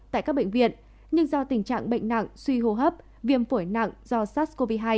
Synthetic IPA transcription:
t̪a̰ː˧˨kaː˦˥k̚ɓḛ˧˨ŋ̟vḭ˧˨ən | ɲɨ˧ŋzɔ˧t̪ï˨˧˩ŋ̟t͡ɕa̰ː˧˨ŋɓə̰˧˨ŋ̟na̰˧˨ŋswi˧ɦo˧ɦəː˦˥p̚ | vi˧˩əmfu˧˩jna̰˧˨ŋzɔ˧saː˦˥t̚ko˧vi˧ɦaː˧j

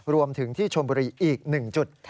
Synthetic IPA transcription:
ɾu˧əmt̪ʰɯ˩˦ŋt̪ʰiː˥˩t͡ɕʰo˧mbuː˧ɾiː˧ʔiː˨˩k̚nɯ˨˩ŋt͡ɕu˨˩t̪̚ːʰ

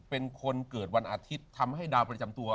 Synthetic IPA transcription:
pe˧nkʰo˧nkɤː˨˩t̪̚wa˧nʔaː˧t̪ʰi˦˥tt̪ʰːa˧mha˥˩jdaː˧wpɾa˧t͡ɕa˧mt̪u˧ɐ

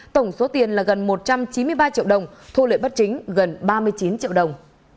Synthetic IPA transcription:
t̪ə˧˩wŋ͡mso˨˦t̪i˨˩ənlaː˨˩ɣə˨˩nmo˨˩t̚t͡ɕa˧mt͡ɕi˨˦nmɨ˧əjɓaː˧t͡ɕḭ˧əwɗə˨˩wŋ͡mt̪ʰu˧lḛ˧˨jɓə˦˥t̚t͡ɕï˨˦ŋ̟ɣə˨˩nɓaː˧mɨ˧əjt͡ɕi˨˦nt͡ɕḭ˧əwɗə˨˩wŋ͡m

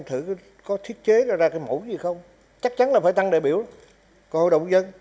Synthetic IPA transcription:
mt̪ʰɨ̰˧˩˨ | kɔ˨˦t̪ʰi˦˥ət̚t͡ɕe˨˦zɔː˧˩zaː˧kaː˨˦jmo̰˧˩˦jzi˨˩xə˧wŋ͡m | t͡ɕa˦˥k̚t͡ɕa˨˦nlaː˨˩faː˧˦jt̪a˧ŋɗe˨˩ɓi˧˩əw | kɔ˨˩ho̰˧˨jɗə̰˨wŋ͡mzə˧n

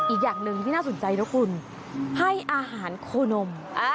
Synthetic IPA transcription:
ʔiː˨˩k̚jaː˨˩ŋlɯ˧ŋt̪ʰiː˥˩naː˥˩so˩˦nt͡ɕa˧jlɛː˦˥kʰu˧n | ha˥˩jʔaː˧ɦaː˩˦nkʰoː˧no˧m

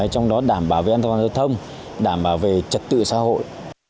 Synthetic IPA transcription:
jt͡ɕɔ˧wŋ͡mɗɔ˨˦ɗaː˧˩mɓaː˧˩wve˨˩ʔa˧nʰ˨aː˨˩zə˧˩wt̪ʰə˧wŋ͡m | ɗaː˧˩mɓaː˧˩wve˨˩t͡ɕə˨˩t̚t̪ɨ̰˧˨saː˨˦ho̰˧˨jʔ

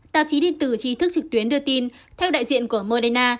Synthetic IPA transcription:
t̪a̰ː˧˨wt͡ɕi˨˦ɗe˧nt̪ɨ˧˩t͡ɕi˨˦t̪ɨ˦˥k̚t͡ɕɨ˨˩k̚t̪wi˨˦ənɗɨ˧ət̪i˧nt̪ʰɛ˧wɗa̰ː˧˨jzḭ˧˨ənku˧˩əmo˧ɗe˧naː˧

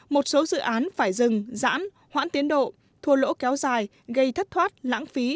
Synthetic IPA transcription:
mo˨˩t̚so˨˦zɨ̰˧˨ʔaː˨˦nfaː˧˩jzɨ˨˩ŋza̰ː˧˥n | hwa̰ː˧˥nt̪i˨˦ənɗo̰˧˨ | t̪ʰu˧˩əlo̰˧˥kɛ˨˦wzaː˨˩j | ɣə˧jt̪ʰə˦˥t̚t̪ʰwaː˦˥t̚la̰ː˧˥ŋfi˨˦

